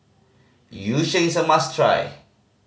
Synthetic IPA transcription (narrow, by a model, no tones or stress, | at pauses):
juʃẽsamastʰɹa̰j